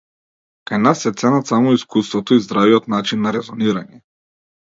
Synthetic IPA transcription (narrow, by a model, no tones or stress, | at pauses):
kajnasːɛt̪sɛnat̪samɔiskust̪vɔt̪ɔizd̪ɾaviɔt̪nat͡ʃinːaɾɛzɔniɾaɲɛ